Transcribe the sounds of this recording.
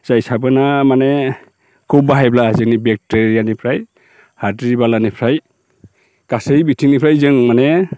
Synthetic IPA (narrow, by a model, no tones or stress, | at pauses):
zajsabɯnamanɛ | kʰup̚baɦajblaːzinibɛk̚teɹijanipʰɹaj | hatɹibalanipʰɹaj | kasejbitʰiŋnipʰɹajzɯŋmanɛ